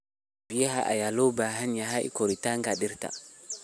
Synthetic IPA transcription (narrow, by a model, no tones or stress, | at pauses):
bijɛɦaʔa̰jalobaɦanjaɦaḭkoɾitaŋɡaɗiɾta̰